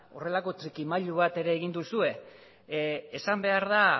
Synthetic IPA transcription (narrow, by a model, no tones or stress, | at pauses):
o̞̰re̞lako̞t͡ʃɾikimaʎuβ̞at̪e̞ɾe̞ːɣ̞ind̪usue̞ | sambe̞aɾða